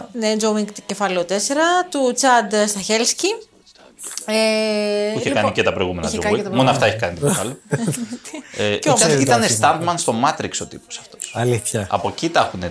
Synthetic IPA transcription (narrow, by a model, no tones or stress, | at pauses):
ned͡ʒowmiŋk̪cefɐlot̪e̞se̞ɾɐt̪ut͡sɐd̪st̪ɐçelsci | e | içekɐnicet̪ɐpɾojɣumenɐoimonoɐft̪ɐeçe̥kɐnit̪oefɐlo | eɐit̪ɐnest̪ɐnd̪mɐnst̪o̞mɐt̪ɾikso̞t̪iposɐ̥ft̪o̞sɐliθçɐɐ̰po̞cit̪ɐxune